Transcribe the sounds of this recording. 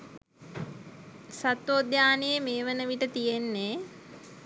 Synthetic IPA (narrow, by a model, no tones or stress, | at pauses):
sat̪ʋoːd̪jaːnejemeːʋənəʋiʈət̪ijenːe